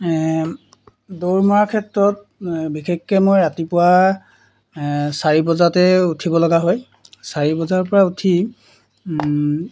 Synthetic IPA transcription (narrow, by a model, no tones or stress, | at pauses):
doɹmɔɹakʰɛtɹɔt̚ | bikʰekːɛmojɹatipʊwa | saɹibɔzatɛutʰibɔlɔɡaɦoj | saɹibɔzaɹpɔɹautʰi